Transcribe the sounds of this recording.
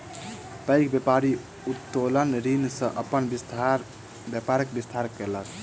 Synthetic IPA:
pəjkbjepaɾi | ut̪ːolənɾinsə̃ʔəpənbist̪ʰaɾ | bjapaɾekbist̪ʰaɾkelək

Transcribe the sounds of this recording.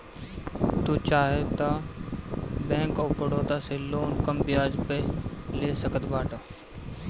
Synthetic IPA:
t̪uːt͡ʃaːɦet̪ɐ | bɛ̃ːkoːpəɽoːt̪asɪloːnkəmbɪjaːd͡ʒpeleːsəkəd̪baːʈa

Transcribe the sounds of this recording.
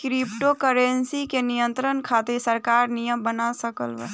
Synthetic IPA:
kɾipʈokəɾensikenijənt̪ɾənkʰat̪esəɾkaːɾnijəmbənasəkəlʋə̰

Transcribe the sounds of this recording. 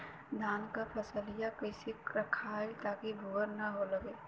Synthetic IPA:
d̪ʱaːnkapʰəsəlijakəɪsɪkɾəkʰaːet̪akibʱuwəɾnɐɦoləɡeː

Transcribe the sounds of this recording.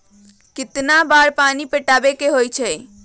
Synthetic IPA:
kɪt̪nabaɾpanipeʈabekeɦojt͡ʃʰɛ

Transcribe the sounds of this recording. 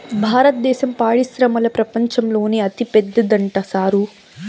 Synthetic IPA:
bʱaːɾɐt̪̚d̪ɛːʃɐmpaːɽisɾɐmɐlɐpɾɐpɐɲt͡ʃɐmlo̞ːneɐt̪ipɛd̪ːɐd̪ɐɳʈɐsaːɾu

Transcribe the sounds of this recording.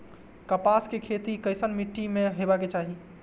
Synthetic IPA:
kəpaskekʰet̪ikəɪsənmiʈːimeɦebaket͡ʃaɦi

